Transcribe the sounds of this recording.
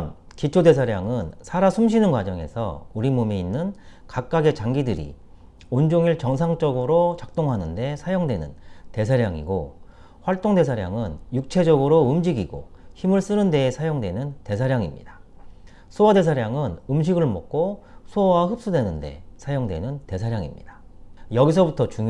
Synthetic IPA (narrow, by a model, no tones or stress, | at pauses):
n | kit͡ɕʰode̞sʰaɾjaŋɯnsʰaɾasʰumɕ̬ʰinɯnkwad͡ʑʌŋe̞̰sʰʌ̰uɾimomiinːɯnkak̚k͈aɡe̞t͡ɕaŋɡidɯɾḭ | ond͡ʑoŋiɭt͡ɕʌŋsʰaŋt͡ɕ͈ʌɡɯɾot͡ɕak̚t͈oŋɦanɯnde̞sʰajoŋdwenɯ̰nte̞sʰaɾjaŋḭɡo | ɸwaɭt͈oŋde̞sʰaɾja̰ŋɯnjuk̚t͡ɕʰe̞d͡ʑʌɡɯɾoɯmd͡ʑiɡiɡo̰çimɯɭs͈ɯnɯnde̞ːsʰajoŋdwe̞nɯnte̞sʰaɾjaŋḭmɲḭd̥ḁ | sʰuʌde̞s̬ʰaɾjaŋɯnɯmɕ̬ʰiɡɯɭmok̚k͈osʰuʌwaɦɯp̚s͈udwe̞nɯnde̞̰sʰajoŋdwe̞̰nɯnte̞s̬ʰaɾjaŋḭmɲḭd̥ḁjʌɡis̬ʰʌbutʰʌt͡ɕuŋ